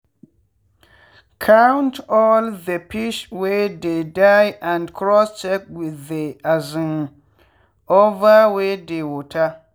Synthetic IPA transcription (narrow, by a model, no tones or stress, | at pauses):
kʰawntɔlðəpiʃwededajʔãndkʰɾɔst͡ʃɛk̚wɪðeazɪŋ | ovawedewotʰa